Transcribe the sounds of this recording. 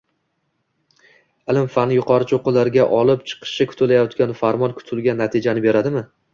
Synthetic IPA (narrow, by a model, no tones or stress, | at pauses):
ɪlɪmfanɪjʊqʰɒɾɪt͡ʃʰoqɨlaɾɡʲaʔɒlˠɪp̚t͡ʃʰɨ̥qʰɨ̥ʃɪkʰʊ̥t̪ʰʊlajɒt̪kʲanfaɾmɒnkʰʊ̥t̪ʰɪlɡʲanːat̪ʰɪd͡ʒanɪbe̞ɾad̪ɪmɪ